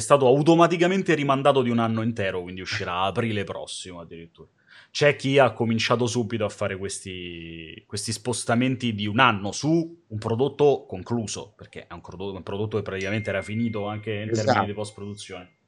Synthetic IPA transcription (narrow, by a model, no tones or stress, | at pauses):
ɛst̪aːt̪oawt̪omat̪ik̬ament̪eɾimand̪aːt̪od̪iunanːoint̪ɛːɾokwind̪iuʃːiɾaːpɾiːlepɾɔ̰sːimoad̪ːiɾit̪ːuːɾa | t͡ʃɛk̟ːiakːomint͡ʃaːt̪̬os̬ubːit̪oafːaːɾekwest̪ikwest̪ispost̪ament̪id̪iunanːosuːmpɾod̪ot̪ːokoŋkluːzo̰perk̟ḛʔɛumpoompɾod̪ot̪ːokepːɾat̪ikament̪eɛɾafiniːt̪oaŋkeint̪ɛɾminnid̪ipɔst̪̚pɾod̪ut̪sːjoːne